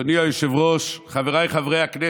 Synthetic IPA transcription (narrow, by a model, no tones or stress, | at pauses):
niajoʃevʁoʃχaveʁajχavʁejakne